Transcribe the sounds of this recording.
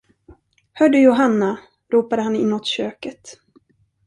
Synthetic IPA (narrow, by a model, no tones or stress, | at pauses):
hœːɖɵjʊɦanːa | ɾuːpad̪əɦanɪnːɔt̪ɕøːkət̪